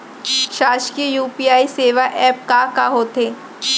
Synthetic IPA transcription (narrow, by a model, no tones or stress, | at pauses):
ʃaːʃkiəjuːpiaːiseːʋaʔɛːp̚kaːkaɦoːt̪eː